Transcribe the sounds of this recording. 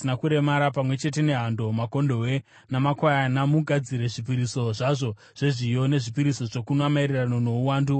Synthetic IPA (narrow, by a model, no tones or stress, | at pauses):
inakuɾe̞maɾapamwe̞t͡ʃe̞t̬e̞ne̞ɦando̞mako̞ndo̞we̞ | namakwajanamuɡʱad͡ziɾe̞ʐip̬iɾiso̞ʐaʐo̞ | ʐ̥e̞ʐijo̞ne̞ʐipiɾiso̞ʐokunoamairirano̞no̞uwaːndu